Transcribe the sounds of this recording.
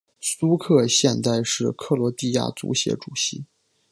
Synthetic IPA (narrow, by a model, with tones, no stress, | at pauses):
su˥kʰɤ˥˧ɕjɛ˥˧nt͡sa˥˧ɪʂɻ̩˥˧kʰɤ˥˩lwɔ˧˥t̪i˥˧ja̰˥˩t͡sṵ˧˥ɕjɛ̰˧˥ʈ͡ʂu˨˩ɕi˧˥